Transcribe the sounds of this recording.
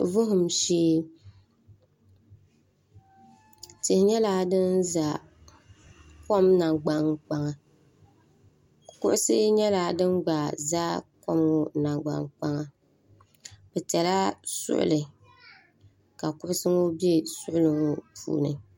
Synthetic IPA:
vʊ˦ɦʊ˨mʃeː˦ | tɪ˨hɪ˨ɲɛ˦la˦dɨ˦nza˨ | ko˦mna˨ŋɡ͡ba˨ŋk͡pa˦ŋa˨ | kʊ̰˦ʔʊ˦sɨ˦ɲɛ˦la˨˦dɨ˦nɡ͡ba˨zaː˦ko˦mʊ˦na˨ŋɡ͡ba̰˨ŋk͡pa˦ŋa˨ | bɛ˨tɛ˨la˦sʊ̰˦ʔʊ̰˦lɨ˨ | ka˨kʊ˦ʔʊ˦sɨ˦ŋʊ˦bi˦e˦sʊ˦ʔʊ˦lɨ˨ŋʊ˦pʰṵː˨nɨ˨

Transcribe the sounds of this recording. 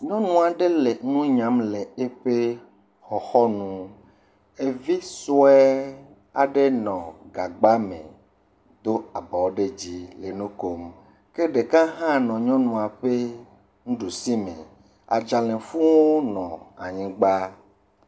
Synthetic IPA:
ɲɔ̃˦nũ˦a˨ɖe˦le˨nũ˦ɲã˨˦mle˨e˦ɸe˦ | xɔ˨xɔ˦nũ˦ | e˨vi˦so˦ɛ˦ | a̰˨ɖe˦nɔ̃˨ɡa˨ɡ͡ba˦mḛ̃˨ | d̪o˦a˨bɔ˨wo˦ɖe˦d͡ʑi˦le˨nũ˦ko˨m | ke˦ɖe˨kã˦ɦã˦nɔ̃˨ɲɔ̃˦nũ˨a˨ɸe˦ | ŋũ˦ɖu˨si˦mḛ̃˨ | a̰˨d͡ʒa˨lẽ˨fũ˦wo˦nɔ̃˨a̰˨ɲĩ˦ɡ͡ba˦

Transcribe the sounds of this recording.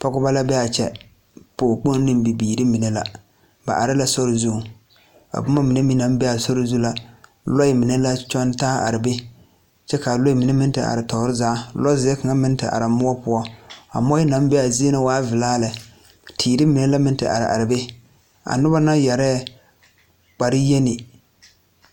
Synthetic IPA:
pɔ˦ɡʊ˦ba˦la˦bɛ˦a˨t͡ʃɛ̰˨ | pʊ˨k͡po˦n˦nɨ˦mbi˨biː˨ɾɪ˦mi˨ne˦la˦ | ba̰˨ʔa˨ɾɪ˦la˦sɔ˦ɾɪ˨zu˦˨ | a̰˨bʊ˦ma˦mi˨ne˦mi˦na˨˦m˦bɛ˦a˨sɔ˦ɾɪ˦zu˦la˦ | lɔ˦ɪ˦mi˨ne˦la˦t͡ʃɔ˦ntaː˦ʔa̰˨ɾɪ˨be˦ | t͡ʃɛ˦ka˨lɔ˦i˦mi˨ne˦mɪ˦n˦tɪ˨a̰˨ɾɪ˨tɔ˨˦ɾɪ˦zaː˦lɔ˦zɪ˨ɛ˦ka˨ŋa˦mɪ˦n˦tɪ̰˨ʔa̰˨ɾa˨mʊ˦ɔ˦pʊ˦ɔ˦a̰˨mɔ˦ɪ˦na˨˦m˦bɛ˦a˨zi˦e˦na˨waː˦vɪ˨laː˦la˨ | tʰiː˨ɾɪ˦mi˨ne˦la˦mɪ˦ntɨ̰˨ʔa̰˨ɾɪ̰˨ʔa̰˨ɾɪ˨be˦ | a̰˨nʊ˦ba˦na˦ja˨ɾɛː˦˨ | k͡pa˨ɾɪ˦je˦nɪ˨

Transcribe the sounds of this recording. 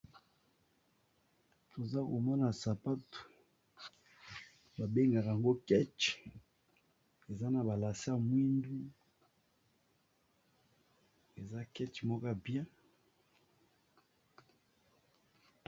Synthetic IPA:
to˨za˦ko˨mɔ˦na˨sa˨pa˦to̥˨ | ba˨be˦ŋɡa˨ka˨ŋɡo˦kɛ˦t͡ʃ | e˨za˦na˨ba˨la˨si˦a˦˨mwi˦ndu˦ | e˨za˦kɛ˦t͡ʃmɔ˦ka˦bjɛ̃˦

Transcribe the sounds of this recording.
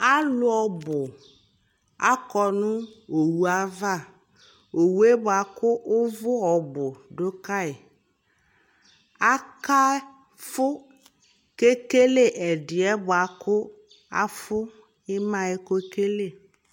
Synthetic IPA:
a˦lʊ˦ɔ˨bʊ˨ | a̰˦kɔ˨nʊ̃˦o˨wu˦a˦va˦˨ | o˨wu˦e˦bʊ˨a˨kʊ˦ʊ˦vʊ˦ɔ˨bʊ˨ɖʊ˦ka˦ɪ˨ | a˦ka˦ | fʊ˦ | ke˦ke˦le˦ʔɛ˨dɪ˨ɛ˦bʊ˨a˨kʰʊ˦ | a̰˦fʊ˦ | ɪ˦mã˨ɛ˦ko˦ke˦le˦˨

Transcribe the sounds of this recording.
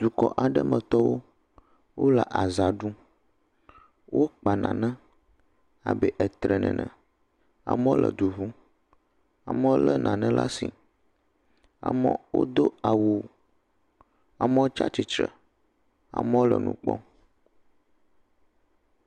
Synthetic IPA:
d̪̥u˨kɔ˨ʔa˨ɖə˦mə̃˨t̪ɔ˦wo˦ | wo˦la˨ʔa˨za˨ɖu˦ | wʔo˦k͡pa˨nã˨nə̃˦ | a˨bɛ˨ʔɛ˨t̪ɾɛ˨nɛ̰̃˨nɛ̃˨ | a̰˨mə̃˦o˦lə˨d̪u˨ɦu˦ | a˨mə̃˦wo˦lə˦nʔã˨nɛ̃˦la˦si˨ | a˨mə̰̃˦wo̰˦d̪o˦a˨wu˨ | a˨mə˦wo˦t͡ʃa˦t͡ʃi˨t͡ʃɾə˨ | a̰˨mə̃˦wo˦lə˨nṵ̃˨k͡pɔ̰˦

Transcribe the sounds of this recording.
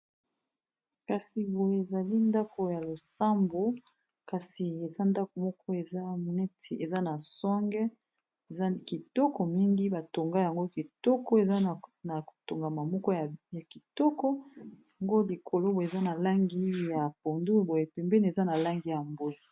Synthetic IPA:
ka˨si˨bo˨je˨za˨li˦nda˦ko˨ja˨lo˨sa˦mbo˨ | ka˨si˨e˨za˦nda˦ko˨mɔ˦kʰɔ˦e˨za˦˨nɛ˦tʰe˨e˨za˦na˨swa˦ŋɡɛ˦ | e˨za˦ki˨tɔ˦kɔ˨mi˦ŋɡi˦ba˨to˨ŋɡa˦ja˨ŋɡo˦ki˨tɔ˦kɔ˦e˨za˦˨na˨o˨to˨ŋɡa˨ma˨mɔ˦kɔ˦ja˨ja˨ki˨tɔ˦kɔ˦ja˨ŋɡo˦li˨kʰo˨lo˦bo˨e˨za˦na˨la˦ŋɡi˦ja˨po˨ndu˦bo˨je˨pɛ˨mbɛ˦n˨e˨za˦na˨la˦ŋɡi˦ja˨mbo˦i˨

